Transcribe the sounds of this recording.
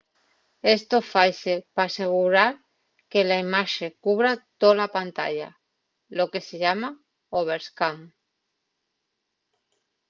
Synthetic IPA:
est̪ofajsepaːseɣ̞uɾaɾ | kelaimaʃekuβɾat̪olapant̪a̰ʎa̰ | loke̞seʎama | oβ̞eɾskaŋ

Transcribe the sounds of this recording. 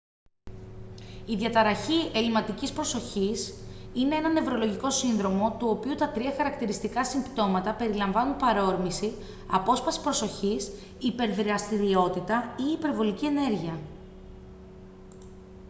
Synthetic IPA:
iðʝɐt̪ɐɾɐçie̞limɐt̪icispɾo̞so̞çisine̞enɐne̞vɾo̞lo̞ʝiko̞sinðɾo̞mo̞t̪uo̞piut̪ɐt̪ɾiɐxɐɾɐkt̪iɾist̪ikɐsimpt̪o̞mɐt̪ɐpe̞ɾilɐɱvɐnunpɐɾo̞ɾmisi | ɐ̰po̞spɐsi̥pɾo̞so̞çis | ipe̞ɾðɾeɐst̪iɾio̞t̪it̪ɐiːpe̞ɾvo̞licie̞ne̞ɾʝiɐ

